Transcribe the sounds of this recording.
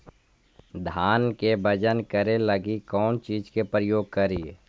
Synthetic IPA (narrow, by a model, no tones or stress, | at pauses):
d̪ʱaːnkebəd͡ʒənkəɾeləɡikɔːnt͡ʃiːd͡ʒkepɾəjoːɡ̚kəɾiː